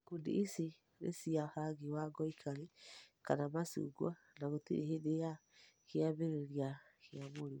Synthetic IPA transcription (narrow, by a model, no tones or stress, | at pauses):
kudḭisi | ɾḛsiahaɡiwaɡɔikʰaɾekanamasṵɡwa | naɣotḭɾehedeja | keaβeɾeɾiaheamoɾi